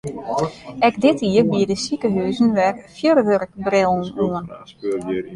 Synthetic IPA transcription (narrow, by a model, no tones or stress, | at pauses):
ɛkdɪtʰiərbiədəsikəɦyːzn̩ʋɛrfjørʋørkbrɪlˠn̩uən